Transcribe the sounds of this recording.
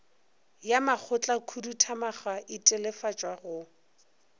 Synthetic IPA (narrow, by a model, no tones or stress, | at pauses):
jamak͡xʰʊt͡ɬʼakʰudutʰamaχaʔɪtʼɪlɛfat͡ʃʼwaɣʊ